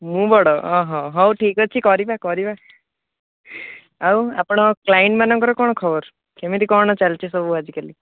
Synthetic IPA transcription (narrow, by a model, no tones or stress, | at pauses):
mũbɔɽɔɔɦɔ̃ɦɔwʈʰikɔt͡ʃʰikɔɾibakɔɾiba | awapɔɽ̃ɔklaiɳʈmanɔŋkɔɾɔkɔɽ̃ɔkʰɔbɔɾ | kemit̪ikɔɽ̃ɔt͡ʃalt͡ʃʰisɔbuad͡ʒikali